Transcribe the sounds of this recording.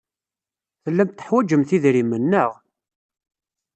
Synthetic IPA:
θəlːæmt̪ːə̥ħwæd͡ʒəmθiðɾimːənːəʁ

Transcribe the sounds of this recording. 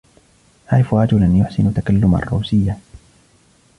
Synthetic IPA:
ħajfɾˤɑd͡ʒʊlanjʊħsɪnt̪akalːʊma̰rˤːuːsɪjːa

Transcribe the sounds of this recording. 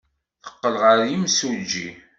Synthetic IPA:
θə̥qːəlʁəɾjimsuld͡ʒḭ

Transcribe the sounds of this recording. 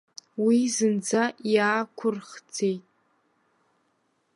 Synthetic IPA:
wizɨnd͡zajaːkʷʰʊrχd͡zejtʼ

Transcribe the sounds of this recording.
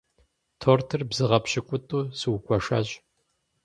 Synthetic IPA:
tʰoːrtʰɨrbzɨʁɐpɕɪkʷʼʊtʼuːsɨwkʷʰʼɔʂɐ̰ʑ

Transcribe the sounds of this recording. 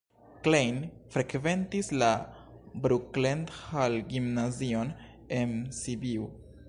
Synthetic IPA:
klejnfɾe̞kve̞ntisla | bɾuklenthalɡimnazio̞n | ensibiu

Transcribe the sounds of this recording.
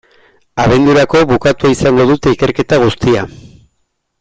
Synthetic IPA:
aβ̞e̞nd̪uɾako̞βukat̪uaisaŋɡo̞ðut̪e̞ike̞ɾke̞t̪aɣ̞ust̪ia

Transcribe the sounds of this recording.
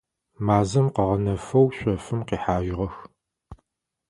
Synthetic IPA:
maːzɐmqəʁɐnɐfɐwɕʷɔfɨmqiːħaːʒʁɐx

